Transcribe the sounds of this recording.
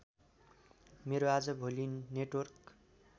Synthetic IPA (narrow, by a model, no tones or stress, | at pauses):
meɾoad͡zʌbʱolinːeʈwʌrk